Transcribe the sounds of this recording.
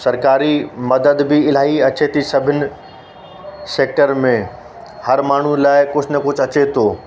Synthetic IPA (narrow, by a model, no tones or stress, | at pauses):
sɐɾkaːɾimɐd̪əd̪bɪɪl̤aːiɐt͡ɕet̪ʰisɐbʱɪnɪ̆ | seːk̚ʈəɾmẽ | hɐɾmaːɳ̤ulaːɪkʊd͡ʑʰʱnɐkʊd͡ʑʱɐt͡ɕet̪ʰoː